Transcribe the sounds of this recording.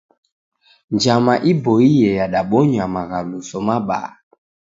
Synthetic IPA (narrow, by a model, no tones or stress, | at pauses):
nd͡ʒamaʔibɔijɛjaɗaɓɔɲamaɣalusɔmaɓa̰ː